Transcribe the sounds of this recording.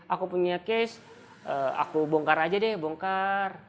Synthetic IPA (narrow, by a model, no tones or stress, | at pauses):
ʔakupuɲakɛs | əa̰kubɔŋkaɾad͡ʒadɛhbɔŋkar